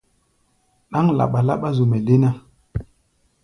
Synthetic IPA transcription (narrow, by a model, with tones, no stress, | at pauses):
ɗa˦ŋla̰˨ɓa˨la̰˦ɓa˦zu˨mɛ˨le˦na˦